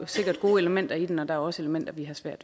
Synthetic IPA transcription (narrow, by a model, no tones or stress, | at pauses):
se̝ɡ̥ɐd̥ɡ̥o̝ːeləmen̰d̥ɐid̥enɒ̽d̥ɑ̈æɐɒ̽se̝ləmen̰d̥ɐʋiɦɑ̈sʋæɐ̰d̥